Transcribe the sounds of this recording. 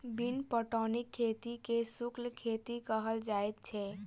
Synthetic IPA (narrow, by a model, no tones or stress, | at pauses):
binpɔʈɔːnɪkʰːeːt̪ikesʊklkʰeːt̪ikəɦəld͡ʒaːɛt̪̚t͡ʃʰɛ